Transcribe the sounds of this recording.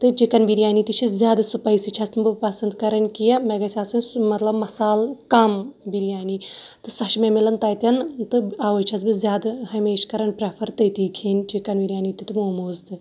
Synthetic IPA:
t̪ɨd͡ʒikɐnbiɾʲjaːniːt̪it͡ʃʰizʲjaːd̪ɐsupɐisit͡ʃʰɐst̪ɨbɨpɐsɐnd̪kɐɾɐnʲkijɐmeɡɐsʲasɨnmɐt̪lɐbmɐsaːlkɐmbiɾjaːnit̪ɨsɐʃmemilɐnt̪ɐːjt̪ʲɐnt̪ɨaːʋɐt͡ʃʰɐsbɨzʲjaːd̪ɦɐmeːʃkɐɾɐnʲpɾɐpʰɐɾt̪ɐjt̪iːkʰenʲd͡ʒikɐnbiɾʲjaːnit̪it̪ɨmoːmoːzt̪ɨ

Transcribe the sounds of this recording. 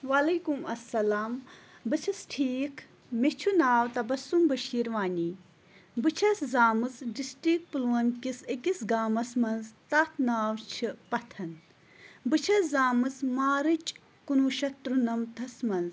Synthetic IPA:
ʋɐlɐkumɐsːɐlaːmbɨt͡sʰɨsʈʰiːkʰ | met͡ʃʰunaːwt̪ɐbɐsumbɐʃiːɾʋaːnʲiː | bɨt͡ʃʰɐszaːmɨzɖisʈik̚pɨluwɐnkisekisɡaːmɐsmɐnzt̪ɐt̪ʰnaːwt͡ʃʰɨpɐt̪ʰɐn | bɨt͡ʃʰɐszaːmɨzmaːɾɨt͡ʃ | kunuːʃɐt̪ɾunɐmt̪ʰɐsmɐnz

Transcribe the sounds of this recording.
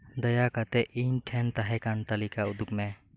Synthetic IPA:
d̪əjakat̪eʔinʈʰɛnt̪aɦɛkant̪əlikaʊd̪ukme

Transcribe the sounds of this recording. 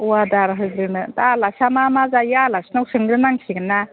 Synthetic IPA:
wadaɾaɦɯjɡɾɯnɯdalasamamazajalasnawsɯŋɡɾɯnaŋsʰiɡɯnːa

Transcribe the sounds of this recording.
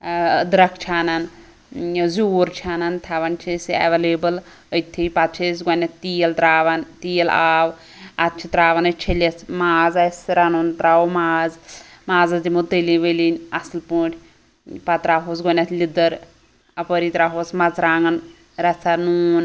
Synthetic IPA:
d̪ɾɐkʰt͡ʃʰaːnɐn | zuːɾt͡ʃʰaːnɐnt̪ʰaʋɐnt͡ʃʰesɐ̰ʋeleːbɐl | ət̪ʰːipɐt̪̚t͡ʃʰis̬ɡɐnʲɐt̪t̪ijɐld̪ɾaːʋɐnt̪iːɐlaːw | ɐt̪̚t͡ʃʰit̪ɾaːʋɐnɐt͡ʃʰilʲɐsmaːzɐsɾanunt̪ɾawmaːzmaːzɐd̪imut̪əlʲiʋəlinʲɐslpuːʈʰʲ | pɐt̪ɾaːɦos̬ɡɐnʲɐt̪ʰlʲid̪ɐɾ | ɐpəɾiːt̪ɾaɦosmɐt͡sɾaːŋɡɐn | ɾɐt͡sʰɐnuːn

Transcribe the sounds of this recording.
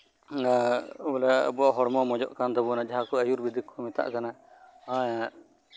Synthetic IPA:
alɛ̰buaʔɦɔɽmɔmɔd͡ʒɔ̰ʔkand̪ɔbɔnad͡ʒaɦakɔəjuɾbid̪ikʰːɔmɛt̪a̰ʔkana | ãja

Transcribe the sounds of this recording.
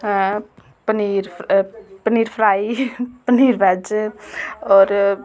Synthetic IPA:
pəniɾʰ | pəniɾpʰɾaipəniɾbɛd͡ʒ | ɔːɾ

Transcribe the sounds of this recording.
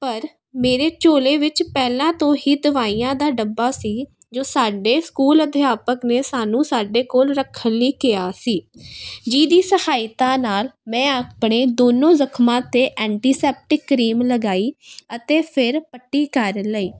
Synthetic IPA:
pəɾ | meːɾeːt͡ʃoːleːʋɪt͡ʃpɛːlãːt̪õːɦiːd̪əʋaːiːjãːd̪aːɖəbːaːsiː | d͡ʒoːsaːɖeːskuːləd̪ɪjaːpəkneːsaːnũːsaːɖeːkoːlɾəkʰːənliːkɪjaːsiːd͡ʒiːd̪iːsəhaːɪt̪ãːnaːlmɛ̃ːəpɳeːd̪oːnõːzəkʰmãːt̪eːʔɛ̃ːɳʈiːsɛːp̚ʈɪkːɾiːmləɡaːiːət̪eːpʰɪɾpəʈːiːkəɾləiː

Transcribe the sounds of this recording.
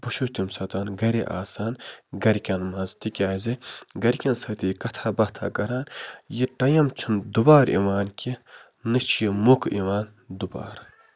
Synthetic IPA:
b̥uʃuʃt̪imsɐt̪aːnɡɐɾiʔa̰ːsaːnɡɐɾkʲɐnmɐzt̪ikʲaːziɡɐɾʲkʲɐnsɐt̪iːkɐt̪ʰabɐht̪ʰa̰ːɡɐɾaːnjiʈɐjɐmt͡ʃʰimd̪ubaːɾḭʋaːnkʲi | nɨt͡ʃʰijimukḭʋaːn | d̪uba̰ːɾ

